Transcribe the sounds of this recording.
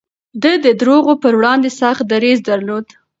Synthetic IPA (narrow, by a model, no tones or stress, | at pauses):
d̪əd̪əd̪ɾoɣopəɾwɽɑnd̪esɑχ̚d̪aɾizd̪aɾlod̪